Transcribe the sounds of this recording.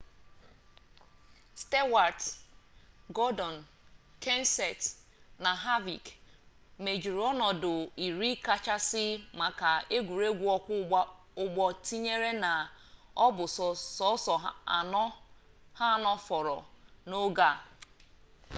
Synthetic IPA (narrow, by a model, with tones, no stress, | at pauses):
ste˦wa˨ɾd | ɡɔ˦dɔ˨n˨ke˦n˦se˨tna˨ɦa˦vi˨k | me˨d͡ʒu˨ɾɔ˦nɔ˨dʊ˨i˨ɾi˦ka˦t͡ʃa˦sɪ˦ma˨ka˨e˦ɡʷu˨ɾe˦ɡʷu˦ɔ˦kʷ | ʊ˨ɡ͡bɔ˨ti˦ɲe˦ɾe˦na˨ɔ˦bʊ˨ssɔ˦sɔ˨a˨nɔ˦ | ha˦˨nɔ˦fɔ˨ɾɔ̰˨no˦ɡa˦˨